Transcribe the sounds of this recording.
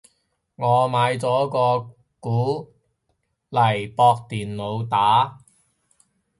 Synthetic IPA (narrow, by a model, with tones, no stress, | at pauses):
ŋɔː˨˧maː˨˧jt͡sɔː˨˥kɔː˧ | kuː˨˥ | lɐ˨˩jpɔː˧k̚t̪iː˨nlo˨˧wt̪aː˨˥